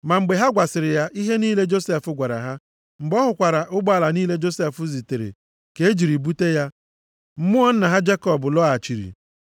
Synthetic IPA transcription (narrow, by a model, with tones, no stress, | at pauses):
ma˨ŋ͡m̩˨ɡ͡be˨ɦa˦ɡʷa˨sɪ˨ɾɪ˨ja˦ʔi˦ɦe˦niː˦le˦d͡ʒo˦se˦fʊ˦ɡʷa˨ɾa̰˨ɦa˦ | ŋ͡m̩˨ɡ͡bɔ˦ɦʊ˨kʷa˨ɾa˨ʔʊ˦ɡ͡ba˨la˨niː˦le˦d͡ʒo˦se˦fʊ˦zi˨te˨ɾḛ˨ | ke˨˦e˦d͡ʒi˨ɾi˨bu˦te˦ja˦ | m̩˦mʊ˦ɔ˦n̩˦na˨ɦa˦d͡ʒe˦kɔ˦bʊ˨lɔ˦a˨t͡ʃi˨ɾḭ˨